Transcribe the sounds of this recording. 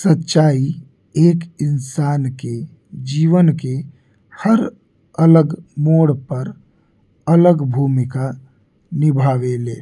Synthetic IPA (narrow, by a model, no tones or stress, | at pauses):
sətːʃai | eːkinsaːnke | d͡ʒiʋənke | həɾ | ələɡmoɽpəɾ | ələɡbʱumika | nibʱaʋeleːl